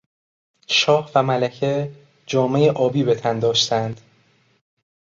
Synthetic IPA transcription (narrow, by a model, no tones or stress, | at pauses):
ʃɒːhvæmælæcʰe | d͡ʒɒːme̞jeʔɒːbiːbe̞t̪ʰænd̪ɒːʃt̪ʰænd̪̥